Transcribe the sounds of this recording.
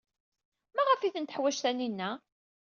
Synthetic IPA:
mæʁəfiθənt̪əħwæʃθæninːæ

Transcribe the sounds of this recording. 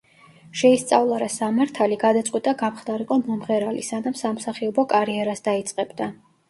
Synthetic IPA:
ʃɛist̪sʼa̰vlˠaɾasamaɾt̪ʰaliɡad̪at̪sʼqʼwit̪ʼaɡamχd̪aɾiqʼɔmɔmʁɛɾalisanamsamsaχiɔbɔkʼaɾiɛɾasd̪ait̪sʼqʼɛbd̪a

